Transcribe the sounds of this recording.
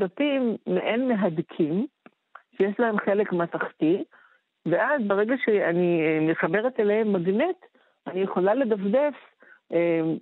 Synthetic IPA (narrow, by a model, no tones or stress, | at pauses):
datimːeʔenmeɦad̪kʰim | ʃejeʃlahe̞mχelekmataχt̪i | veʔazbeʁeɡaʃeaniemeχabe̞ʁet̪elehemːaɡnit̪ | anijeχo̞lale̞d̪afd̪e̞f | em